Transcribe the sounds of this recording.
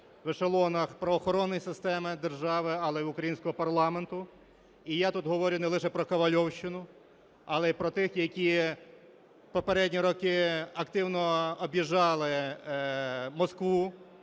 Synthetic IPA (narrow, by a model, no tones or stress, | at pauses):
ʋɪʃelˠɔnɐxpɾɐʋɔxɔɾɔnːɔjsɪst̪ɛmɪd̪erʒɑʋɪɐlˠɛʊkɾɐjinʲsʲkɔɦɔpɐrlˠɑment̪ʊ | ijat̪ut̪ɦɔʋɔɾʲjʊnɛlˠɪʃɛpɾɔkɐʋɐlʲɔwʃt͡ʃɪnʊ | ɐlˠɛipɾɔt̪ɪxjɐkʲi | pɔpeɾɛdʲnʲiɾɔkɪɐkt̪ɪwnɔɔbʲjiʒɑlˠɪ | mɔskʋu